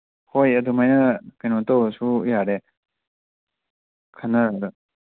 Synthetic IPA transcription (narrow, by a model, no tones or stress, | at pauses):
hojɐdumajnɐkanotowɐsujaɾe | kʰanɐ